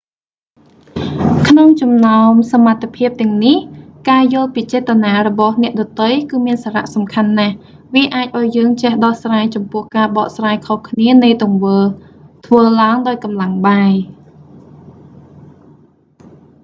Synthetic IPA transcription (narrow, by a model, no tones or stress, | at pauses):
kʰnoŋt͡ɕɑmnaɔmsamat̪ʰːepʰiəp̚t̪ɛ̆əŋnihkaːjʊ̆əlpiːt͡ɕɛːt̪ːanaːrɔɓɑhnɛ̆əʔɗɑt̪ɨjkɨːmiənsaːɾa̰ʔsɑmkʰanːah | ʋiəʔaːc̚ʔaɔjːəːŋt͡ɕehɗɑhsraːjt͡ɕɑmpʊ̆əhkaːɓɑːʔsraːjkʰohkʰniənɨjt̪ŭəŋʋəːlt̪ʰʋəːlaəŋɗaɔjkɑmlaŋɓaːj